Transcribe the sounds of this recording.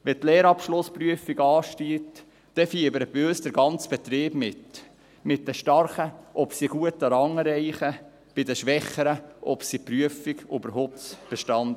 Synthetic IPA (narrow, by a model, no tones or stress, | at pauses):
ʋɛt̪lɛːɾɑpʃlʊspɾyəfiɡɑːʃtiːt̪ | d̥ɛfiːəbəɾəbiøːsd̥̪əɾɡɑnt͡sb̥ɛt̪ɾɪːb̥mɪt | mɪt̚d̥ɛʃtɑɾχəʔɔpsiɡ̥uətːəɾɑŋɾɛɪχə | b̥ɪdəʃʋɛχəɾəʔɔpsipɾyəfiɡybəɾhoːp̚tb̥ɛʃtɑnd